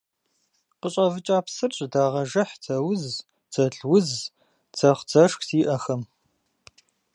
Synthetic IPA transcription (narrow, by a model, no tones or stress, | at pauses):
qəɕʼɐvɨt͡ʃʼaːpsɨrɕʼdaːʁɐʒɐħt͡sʰɐwʊz | t͡sʰɐɮwʊz | t͡sʰɐχʷt͡sɐʂxsiːʔɐxɐm